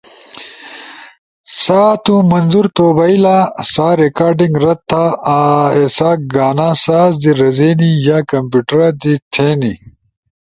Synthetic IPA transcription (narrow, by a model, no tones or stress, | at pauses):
saːt̪ũmɐnzuɾt̪oːbɐilasaːɾekaːɾɖĩŋɡɾɐt̪ʰːa | esaːk̚ɡaːnãːsaːzd̪iɾɐzeːnijaːkɐmpjuːʈɐɾad̪it̪ʰeːni